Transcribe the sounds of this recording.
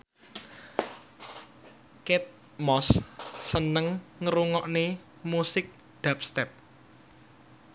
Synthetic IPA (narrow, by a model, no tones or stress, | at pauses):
kɪt̪̚ | mɔsːənəŋːəɾuŋɔʔne | musɪk̚ | ɖ̪̥a̤p̚st̪ɛp̚